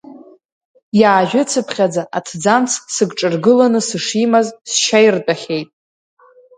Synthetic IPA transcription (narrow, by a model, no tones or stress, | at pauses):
jaːʒʷᶣʊt͡sʰɨpʰχʲad͡zaʔatʰd͡zamt͡sʰsɨɡʈ͡ʂʼɨrɡɨlanɨsɨʂimazsʃajrt͡pʼaχʲe̞jtʼ